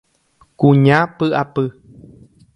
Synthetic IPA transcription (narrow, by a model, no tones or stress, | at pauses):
kũɲãpɨʔapɨ